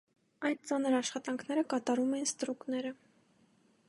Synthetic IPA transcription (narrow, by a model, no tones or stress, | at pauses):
ɑjd̪̚t͡sɑnəɾɑʃχɑt̪ɑŋkʰnɛɾəkɑt̪ɑɾumɛinst̪ɾuknɛɾə